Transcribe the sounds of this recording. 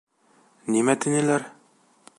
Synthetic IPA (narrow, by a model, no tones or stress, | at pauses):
nimæt̪inɘlæɾ